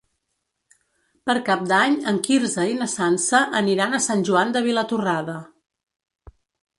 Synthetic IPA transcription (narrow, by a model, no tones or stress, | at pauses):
pəɾkap̚d̪aɲəŋkiɾzəinəsansəʔəniɾanəsanʲʒuand̪əβ̞ilət̪uraðə